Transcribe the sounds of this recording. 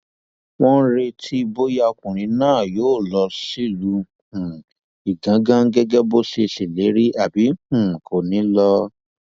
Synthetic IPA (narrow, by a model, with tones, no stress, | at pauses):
wɔ̃˦n̩˦ɾe˧tʰi˧bo˦ja˧o˧kũ˨ɾ̃ĩ˨˦nãː˦˨joː˦˨lɔ˧si˦lu˨˧˦ | hũ˨ | i˨ɡã˨˦ɡã˦ŋ˦ɡɛ˦ɡɛ˦bo˦ʃe˧se˨le˨˦ɾi˦ʔa˨bi˨˦hũ˦˨kʰo˨nĩ˨˦lɔ˧